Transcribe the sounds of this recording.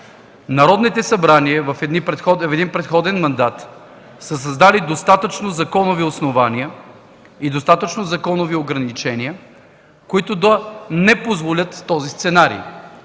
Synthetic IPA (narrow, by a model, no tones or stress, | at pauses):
nɐɾɔd̪nit̪ɛsɐbɾaniəvɐfɛnipɾɛxɔfɛd̪inpɾɛt̪xɔd̪ɛnmɐnd̪at̪ | səsɐzd̪alid̪ost̪at̪ət͡ʃnozɐkɔnoviosnovaniə | id̪ost̪at̪ət͡ʃnozɐkɔnovioɡɾɐnit͡ʃɛniə | koit̪ʊd̪ɐnɛpozvolʲət̪ːɔzist̪sɛnaɾḭ